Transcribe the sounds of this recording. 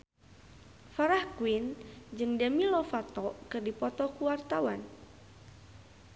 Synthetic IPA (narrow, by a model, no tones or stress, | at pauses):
faɾahkuwind͡ʒɨŋdəmilɔfat̪ɔkɨrdipɔt̪ɔkuwart̪awan